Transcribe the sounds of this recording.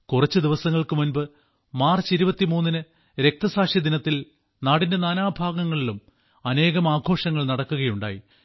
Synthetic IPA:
kurɐt͡ɕːɨd̪iʋɐsɐŋːɐɭkɨmunbɨ | maːrt͡ɕiɾubɐt̪ːimuːnːinɨ | ɾe̞k̚t̪ɐsaːkʂid̪inɐt̪ːil | naːɽinde̞naːnaːbʱaːɡɐŋːɐɭilum | ɐne̞ːɣɐmaːɡʱo̞ːʂɐŋːɐɭnɐɽɐkːuɣɐjuɳɖa̰ːji

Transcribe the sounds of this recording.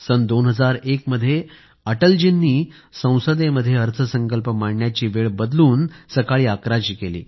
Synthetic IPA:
sənd̪onɦəd͡zaɾekməd̪ʱːje | əʈəld͡ʑinːiːsə̃w̃səd̪eməd̪ʱːjeɦəɾt͡sʰəsəŋkəlpəmaɽɳjat͡ɕiːʋeɭbəd̪luːnsəkaɭiːakɾad͡ʑiːkelḭː

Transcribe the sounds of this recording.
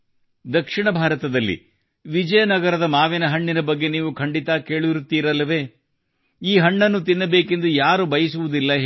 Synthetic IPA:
d̪ɐkʂiɳɐbʱaːɾɐt̪ɐd̪ɐlːḭ | ʋid͡ʒɐjɐnɐɡɐɾɐd̪ɐmaːʋinɐɦɐɳːinɐbɐɡːe̞niːʋukʰɐɳɖit̪aːkeːɭiɾut̪ːiːɾɐlːɐʋe̞ː | iːɦɐɳːɐnːut̪̬inːɐbeːke̞nd̪ujaːɾubɐjɐsuʋud̪ilːɐ

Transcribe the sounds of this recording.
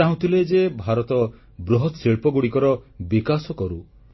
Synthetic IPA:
aɦũt̪ʰiled͡ʒebʱaɾɔt̪ɔ | bɾɔɦɔt̪seɭpɔɡuɽikɔɾɔbikasɔkɔɾu

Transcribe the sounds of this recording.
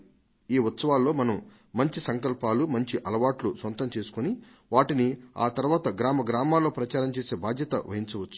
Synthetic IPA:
iːʋɐt̪sɐʋaːlːo̞ːmɐnɐm | mɐɲt͡ʃisɐŋkɐlpaːlumɐɲt͡ʃiʔɐlɐʋaːʈlusʋɐnt̪ɐmt͡ʃe̞ːsu̥kuni | ʋaːʈinia̰ːt̪ɐɾuʋaːt̪ɐɡɾaːmɐɡɾaːmaːlːo̞ːpɾɐt͡ʃaːɾɐmt͡ʃeːse̞ːbaːd̪ʱjɐt̪ɐ̰ʋɐ̰ɦint͡ʃɐʋɐt͡ʃːu̥

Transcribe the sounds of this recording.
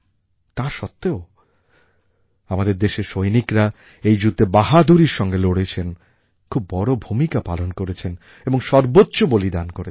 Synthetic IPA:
t̪aɾʃɔt̪ːeo | amad̪eɾd̪eʃeʃojnikɾa | ejd͡ʑut̪ːebaɦad̪ʱuɾiɾʃɔŋɡeloɽet͡ɕʰen | kʰubːɔɽobʱumikapalonkoɾet͡ɕʰen | eboŋʃɔɾbotːɕobolid̪ankoɾe

